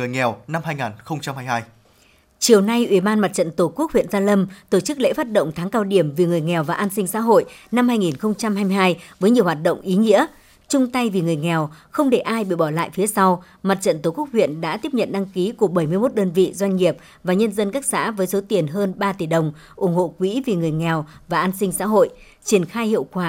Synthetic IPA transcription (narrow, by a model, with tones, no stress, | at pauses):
ɨ˨˩əjŋɛ˨˩wna˧mhaː˧jŋa˨˩nxə˧wŋ͡mt͡ɕa˧mhaː˧jhaː˧j | t͡ɕi˨˩əwna˧jʔwi˨˧˩ɓaː˧nma˨˩t̚t͡ɕə̰˧˨nt̪o˧˩ku˦˥ək̚hwḭ˧˨ənzaː˧lə˧mt̪o˧˩t͡ɕɨ˦˥k̚lḛ˧˥faː˦˥t̚ɗə̰˧˨wŋ͡mt̪ʰaː˨˦ŋkaː˧wɗi˧˩əmvi˨˩ŋɨ˨˩əjŋɛ˨˩wvaː˨˩ʔaː˧nsï˧ŋsa̰ː˧˥ɦo̰˧˨jna˧mhaː˧jŋi˨˩nxə˧wŋ͡mt͡ɕa˧mhaː˧jm˧jɦaː˧jvəː˨˦jɲi˨˩əwɦaː˨˩t̚ɗə̰˧˨wŋ͡mʔi˨˦ŋḭ˧˥ə | t͡ɕʊ˧ŋ͡mt̪a˧jvi˨˩ŋɨ˨˩əjŋɛ˨˩wxə˧wŋ͡mɗe˧˩ʔaː˧jɓḭ˧˨ɓɔ˧˩la̰ː˧˨jfi˨˦əsa˧w | ma˨˩t̚t͡ɕə̰˧˨nt̪o˧˩ku˦˥k̚hwḭ˧˨ənɗa̰ː˧˥t̪i˦˥əp̚ɲə̰˧˨nɗa˧ŋki˨˦ku˧˩əɓə˧˩jmɨ˧əjmo˦˥t̚ɗəː˧nvḭ˧˨zwa˧jŋ̟ŋi˨˩əp̚ | vaː˨˩ɲə˧nzə˧nkaː˦˥k̚sa̰ː˧˥vəː˨˦jso˨˦t̪i˨˩ənɦəː˧nɓaː˧t̪i˨˩ɗə˨˩wŋ͡m | ʔʊ˧˩ŋ͡mho̰˧˨kwḭ˧˥vi˨˩ŋɨ˨˩əjŋɛ˨˩wvaː˨˩ʔaː˧nsï˧ŋ̟sa̰ː˧˥ɦo̰˧˨j | t͡ɕi˧˩ənxaː˧jhḭ˧˨əwkwaː˧˩